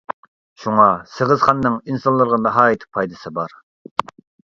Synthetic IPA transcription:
ʃuŋɑsəʁəzχɑnːɨŋinsɑnlˠɨɾʁɑnɨɦɑːjit̪ʰpʰɑjd̪ɨsɨbɑɾ

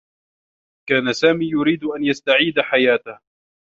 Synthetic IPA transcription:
kaːnasaːmiːjʊɾiːd̪ʔanjast̪aʕiːd̪aħajaːt̪ah

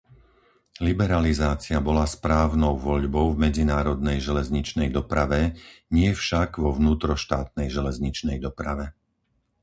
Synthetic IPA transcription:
libɛɾalizaːt͡sɪabɔlaspɾaːʊnɔʊʋɔʎbɔʊvmɛd͡zinaːɾɔd̪̚nɛjʒɛlɛzɲit͡ʃnɛjd̪ɔpɾaʋɛɲɪɛfʃaɡʋɔʋnuːt̪ɾɔʃt̪aːt̪̚nɛjʒɛlɛzɲit͡ʃnɛjd̪ɔpɾaʋɛ

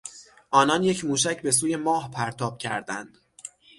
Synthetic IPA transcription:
ʔɒːnɒnje̞cʰmuːʃæcʰbe̞s̬uːje̞mɒːhpʰæɾt̪ʰɒːb̥cʲʰæ̰ɾd̪æ̰nd̪̥

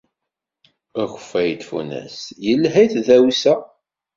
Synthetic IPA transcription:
əxəfːæjt̪ːfṵnæ̰sjəlːɦæjθðæwisæ

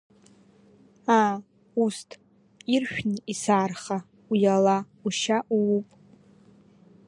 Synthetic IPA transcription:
a | ustʰ | irʃᶣnɨisaːrχa | ujala | uʃaʔuupʼ

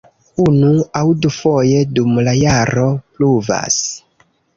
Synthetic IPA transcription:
unuawdufo̞je̞dumlajaɾo̞pluva̰s

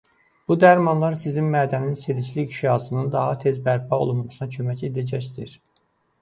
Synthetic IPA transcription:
b̥ud̪æɾmɑnlˠɑɾsizinmæːd̪æninseɾiʃliːɡʃɑsɯnɯnd̪ɑɦɑt̪ʰe̞zbæɾpʰɑo̰lˠummɑsɯnɑcʰømæce̞d̪æd͡ʒæçd̪iɾ

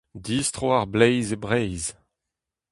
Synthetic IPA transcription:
diːstʁoaʁblɛjzebʁɛjz

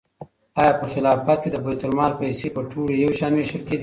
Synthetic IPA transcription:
ɑjɑpəxɪlɑfat̪̚ked̪əbajt̪ʊlmɑɾpajsepəʈʰuɽejawʃɑnweʃəlked̪i

